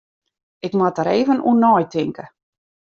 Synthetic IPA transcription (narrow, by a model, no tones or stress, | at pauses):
ɪkmatəɾeːvənṵnɔːjtɪŋkə